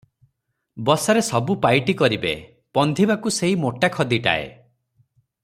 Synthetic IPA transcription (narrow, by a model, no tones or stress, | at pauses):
bɔsaɾesɔbupajʈikɔɾibḛ | pɔnd̪ʱibakuseɦimoʈakʰɔd̪iʈa̰ḛ